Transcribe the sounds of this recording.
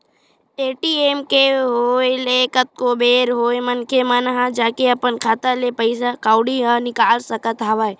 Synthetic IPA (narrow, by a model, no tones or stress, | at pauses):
eːʈieːmkeɦoːelekət̪̚kobeːɾɦoːemɐnkemɐnɦãd͡ʒaːkeɐpənkʰaːt̪alepəɪsakaːʊɽiənɪkaːlsɐkət̪ɦaʋaj